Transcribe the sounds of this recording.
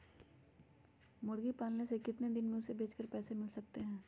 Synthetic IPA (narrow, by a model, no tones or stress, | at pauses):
mʊɽɡipaːlnesekɪt̪ned̪ɪnmẽʊsebʱeːt͡ʃkəɾpɛːsemɪlsɐk̚t̪eɦɛ̃ː